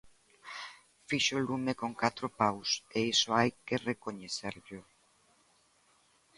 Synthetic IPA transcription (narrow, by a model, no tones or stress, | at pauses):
fiʃolumekoŋkat̪ɾopawseisoajkerekoɲeθeɾʎʊ